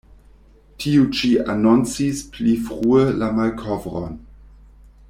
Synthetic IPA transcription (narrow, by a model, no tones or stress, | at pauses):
tʰiut͡ʃia̰nont͡sisplifʁuəlamalkʰɔvɾo̰n